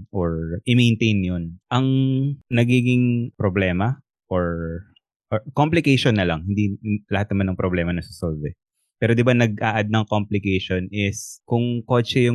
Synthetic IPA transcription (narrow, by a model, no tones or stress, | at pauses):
ʔoɹʔɪmejnt̪ejnjonʔɐŋnɐɡiːɡɪŋpɾoblɛːmɐ | ʔoɹ | ʔokomplɪkɛjʃonːɐlɐŋhɪnd̪ilɐhat̪̚nɐmanːɐŋpɾoblɛːmɐnɐsɪ̥solvɛ | pɛːɾod̪ɪbanɐɡ̚ʔaːʔɐd̪̚nɐŋkomplɪkɛjʃonɪskʊŋko̞t͡ʃɛjʊ